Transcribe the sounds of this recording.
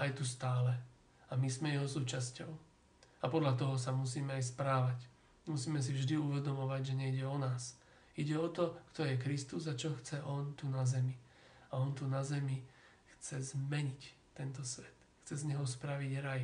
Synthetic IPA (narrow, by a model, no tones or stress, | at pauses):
ʔajt̪ust̪aːlɛ | amizmɛjɛɦɔsuːt͡ʃascɔʊ | apɔd̪ʎat̪̬ɔɦɔsamusiːmɛajs̬pɾaːʋac | musiːmɛs̬ivʒd̪iuʋɛd̪ɔmɔʋaɟʒɛɲɛiɟɛɔnaːs | iɟɛɔt̪ɔkt̪ɔjɛkɾist̪uzat͡ʃɔxt͡sɛʔɔnt̪unazɛmi | aɔnt̪unazɛmi | xt͡sɛzmɛɲict̪ːɛnt̪ɔsʋɛt̪xt͡sɛzɲɛɦɔspɾaʋiɟɾaj